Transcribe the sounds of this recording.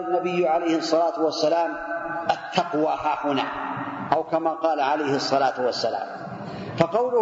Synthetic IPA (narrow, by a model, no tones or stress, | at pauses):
anːabɪjːʕalajhsˤːɑlaːt̪ʊwasːalaːmʔat̪ʰːɑqwaːhaːhʊna̰ː | ʔawkamaːqɑːlaʕalajhɨsˤːɑlaːt̪wasːala̰ːm | fɑqɑwlʊ